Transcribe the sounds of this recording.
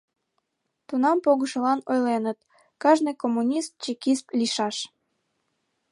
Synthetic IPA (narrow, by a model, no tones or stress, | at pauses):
t̪unɑmpoɣəʃə̆lɑnojlenət̪̚ | kɑʒnekomːunʲist̪̚t͡ɕikist̪liʃɑʃ